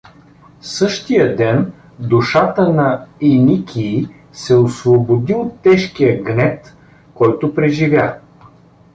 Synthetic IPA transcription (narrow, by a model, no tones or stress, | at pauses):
sɤʃt̪ijəd̪ɛn | d̪uʃat̪ənɐinikʲʰiː | sɛosvobod̪iot̪ːɛʃkijəɡnɛt̪ | kɔjt̪ʊpɾɛʒivʲja